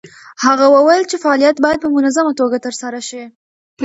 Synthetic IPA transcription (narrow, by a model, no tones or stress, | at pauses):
haɣawawəjlt͡ʃefaɑlijat̪̚bɑjad̪̚pəmʊnazamat̪oɡat̪əɾsaɾaʃi